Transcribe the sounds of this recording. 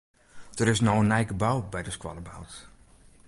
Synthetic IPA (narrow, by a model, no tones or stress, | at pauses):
d̥ərɪsnɔənɛjkəbawbɛjdəskwɔləbawt